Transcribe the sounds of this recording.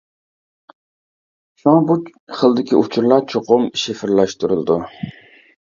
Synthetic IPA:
ʃɑŋbuχəlˠd̪ɪkʲiʔut͡ʃʰuɾlˠɑɾt͡ʃʰoqʊmiʃɪfɪɾlæʃt̪uɾɨlˠd̪u

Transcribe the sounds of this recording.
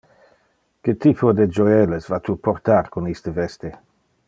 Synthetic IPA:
ket̪ipʰod̪ed͡ʒoɛlesvat̪upoʁt̪aɾkonist̪əvɛst̪e

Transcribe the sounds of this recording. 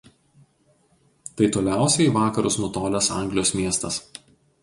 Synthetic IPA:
t̪ɐɪt̪oːlʲæˑʊsʲɛɪʋɑːkɐɾʊsnut̪oːlʲɛsɑ̰ˑŋʲɡlʲɪjoːsmʲiɛst̪ɐs

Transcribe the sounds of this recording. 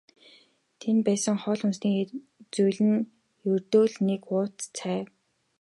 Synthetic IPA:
t̪ʰenpæːsə̆ŋχɔːɮʊnsniː | t͡sujɮɘ̆n | jɵrt̪oːɮnekʊːt̪t͡sʰæːw

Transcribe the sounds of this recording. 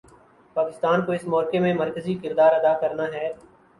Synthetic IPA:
paːkɪst̪aːnkoɪsmɔːɾkemẽməɾkəzikɪɾd̪aːɾɐd̪aːkəɾnaɦɛː

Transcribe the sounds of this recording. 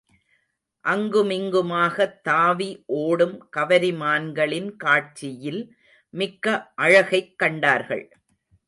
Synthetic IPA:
ʔɐŋɡɯmɪŋɡɯmaːɣɐt̪ːaːʋiʔoːɽɯmkɐʋɐɾɪmaːnɡɐɭɪnkaːʈ̚t͡ʃɪjɪl | mɪkːɐʔɐɻɐɣɐɪkːɐɳɖaːɾɣɐ̰ɭ

